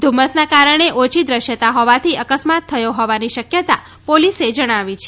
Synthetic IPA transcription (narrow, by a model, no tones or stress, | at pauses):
d̪ʱuməsnakaɾəɳ̃eʔot͡ʃʰid̪ɾəʃjət̪aɦɔʋat̪ʰiəkəsmat̪ʰːəjõɦɔʋaniʃəkjət̪a | polised͡ʒəɽ̃aʋit͡ʃʰe